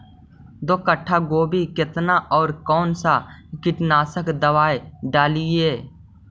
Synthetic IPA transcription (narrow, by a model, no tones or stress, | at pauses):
d̪oːkəʈʰːaɡoːbʱikɪt̪naʔɔːɾkɔːnsakɪʈnaːsəkd̪əʋaːeɖaːlieː